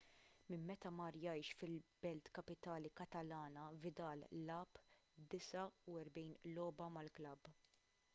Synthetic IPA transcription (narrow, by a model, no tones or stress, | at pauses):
mɪmːɛt̪ɐmɐɾjɐjʃfɪlbɛlt̪kɐpɪt̪ɐːlikɐt̪ɐlɐːnɐvɪd̪ɐːlːɐːpːd̪ɪsɐuɛɾbɛjnlɔːbɐmɐlklɐb